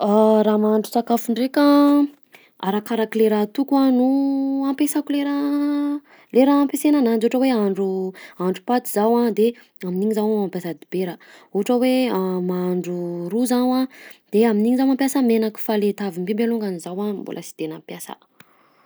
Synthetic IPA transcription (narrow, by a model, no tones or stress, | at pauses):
aɾamaɳɖ͡ʐut͡sakafuɳɖ͡ʐekʲa | aɾakaɾakileɾat̪ukuanuampesakuleɾa | leɾaampesenanand͡ʒuuʈ͡ʂəweaɳɖ͡ʐuaɳɖ͡ʐupat̪izawad̪e | aminiŋizawmampjasad̪ibeɾəuʈ͡ʂəweamaɳɖ͡ʐuɾuzanad̪̥eaminiŋizawmampʲjasəmenaki̥falet̪avimbembeluŋɡanizawambo̰lʔə̰si̥d̪̥enəpjasə̰